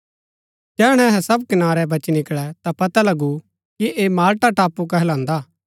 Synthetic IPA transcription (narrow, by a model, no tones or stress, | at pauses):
d͡ʒɛːɽ̃ɛ̃ɐɦɛ̃sɐb̚kɐnaːɾɛbɐt͡ʃnɪkɭɛt̪apɐt̪alɐɡu | kiʔeːmaːlʈaʈaːpːuk̬ɛɦlãːnd̪aː